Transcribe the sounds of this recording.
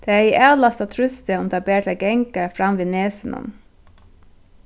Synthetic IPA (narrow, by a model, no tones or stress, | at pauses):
d̪̥eːæːiːʔæːlɑst̪ɑt̪ʰɹʉst̪əɔmd̪ɑːbeːʈʰɑɡɛŋkəɹfɾɑmʋiːneːsənʔɔ̰n